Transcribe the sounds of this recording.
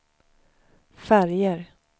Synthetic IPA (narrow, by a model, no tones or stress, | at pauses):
fæɾjəɾ